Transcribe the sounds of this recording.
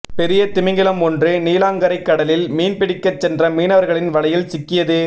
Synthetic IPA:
pɛɾɪjɐt̪ɪmɪŋɡɪlɐmɔndrɯniːlaːŋɡɐɾɐɪkːɐɽɐlɪlmiːnpɪɽɪkːɐt͡ʃːɛndrɐmiːnɐʋɐɾɣɐɭɪnʋɐlɐjɪlsɪkːɪjɐðɯ

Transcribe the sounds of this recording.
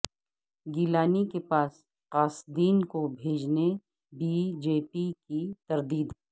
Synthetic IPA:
ɡiːlaːnikepaːs | qaːsd̪iːnkobʱeːd͡ʒne | bid͡ʒeːpikit̪ɐɾd̪iːd̪ɦ

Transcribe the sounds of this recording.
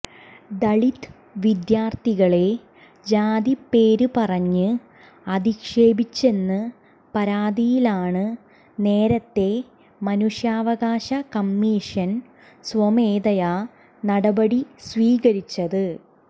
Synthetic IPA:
d̪ɐɭit̪ːɨ | ʋid̪jaːrt̪iɣɐɭe̞ | d͡ʑaːd̪ipːe̞ːɾupɐrɐɲːɨ | ɐd̪ikʂe̞ːbit͡ɕːe̞nːɨ | pɐɾaːd̪ijilaːɳɨ | ne̞ːɾɐt̪ːe̞ | mɐnuʂjaːʋɐɣaːɕɐkɐmːiʂɐn | sʋomeːd̪ɐja | nɐɽɐbɐɽisʋiːɣɐɾit͡ɕːɐðɨ

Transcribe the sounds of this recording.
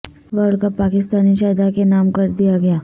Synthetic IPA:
ʋəɾɽkapaːkɪst̪aːniʃaːd̪akenaːmkɐɾd̪ijaɡɐjaː

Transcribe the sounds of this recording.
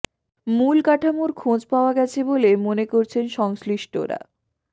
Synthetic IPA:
mulkaʈʰamoɾkʰõd͡ʑpaoaɡɛt͡ɕʰebolemonekoɾt͡ɕʰenʃɔŋsliʃʈo̰ɾa̰

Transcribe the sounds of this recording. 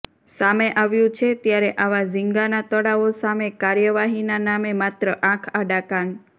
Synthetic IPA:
sameʔaʋjũt͡ʃʰet̪jaɾeʔaʋad͡ʒiŋɡanat̪əɽaʋosamekaɾjəʋaɦinanamemat̪ɾəʔãkʰaɖakaɳ

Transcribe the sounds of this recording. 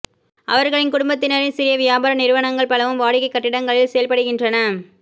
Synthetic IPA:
ʔɐ̰ʋɐɾɣɐɭɪnkʊɽʊmbɐt̪̬ːɪnɐɾɪnsɪɾɪjɐʋɪjaːbaːɾɐnɪɾɯʋɐnɐŋɡɐɭpɐlɐʋɯmʋaːɽɪkːɐɪkːɐʈːɪɽɐŋɡɐɭɪlsɛjɐlpɐɽɯɣɪndrɐnɐ

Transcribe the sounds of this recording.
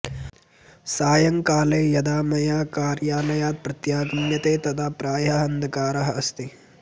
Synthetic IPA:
saːjɐŋkaːleːjɐd̪aːmɐjaːkaːɾjaːlɐjaːt̪̚pɾɐt̪jaːɡɐmjɐt̪eːt̪ɐt̪ʰaːpɾaːjɐɦɐɦɐnd̪ʱɐkaːɾɐɦɐɐst̪i

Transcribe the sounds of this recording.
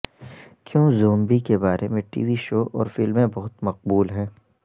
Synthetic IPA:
kjõːzoːmbikebaːɾemẽʈḭːʋiʃoːʔɔːɾfɪlmẽbɐɦʊt̪mɐq̚buːlɦɛː

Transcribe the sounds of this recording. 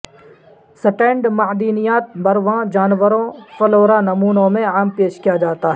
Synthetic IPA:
sɐʈẽːɳɖmɐd̪iːnijaːt̪̚bɐɾʋãːd͡ʒaːnʋəɾõfɐloːɾanɐmuːnõmẽaːmpeːʃkijad͡ʒaːt̪aɦɛː

